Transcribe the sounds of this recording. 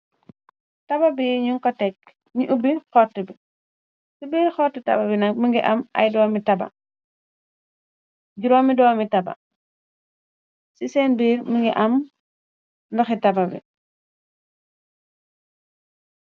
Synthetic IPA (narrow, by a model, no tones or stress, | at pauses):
tɐbɐbiɲuŋkɔtɛk̚ | ɲiʔubixɔtːbi | sibiːɾxɔːtːitɐ̰bɐbinɐk̚miŋɡiʔɐmʔɐ̰jdɔːmitɐbɐ̰ | ɟuɾɔːmidɔːmitɐbɐ̰ | sisɛːnbiːɾmiŋɡiʔɐm | ndɐxitɐbɐbḭ